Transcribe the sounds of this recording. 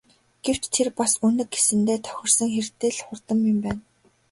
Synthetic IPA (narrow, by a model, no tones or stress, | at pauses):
ɡ̥ew̥t͡ɕt̪ʰerpasɵnɘ̆kɡesɘ̆nt̪eːt̪ʰœ̥xʲɪ̆r̥sə̆ŋxert̪ɘ̆ːɮχʊrt̪ə̆mjɵ̆mpæːn